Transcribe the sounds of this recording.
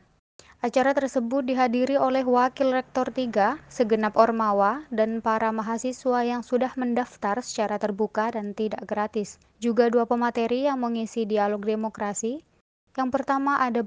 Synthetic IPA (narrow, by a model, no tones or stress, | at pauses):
ʔat͡ʃaɾat̪ərsəbʊt̪̚diɦadiɾiolɛɦwakɪlrɛk̚t̪ɔrt̪iɡasəɡənapɔrmawadanpaɾamaɦasiswajaŋsudahməndaft̪arsə̥t͡ʃaɾat̪ərbukadant̪idaʔɡɾat̪ɪs | d͡ʒuɡaduapəmat̪eɾijaŋməŋisidialɔk̚demokɾasi | jaŋpərt̪amaʔada